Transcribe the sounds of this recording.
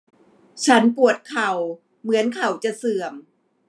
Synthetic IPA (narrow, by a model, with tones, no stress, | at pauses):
t͡ɕʰa˦˥npu˨˩ət̪̚kʰa˨˩w | mɯ˩˦ənkʰa˨˩wt͡ɕa˨˩sɯ˨˩əm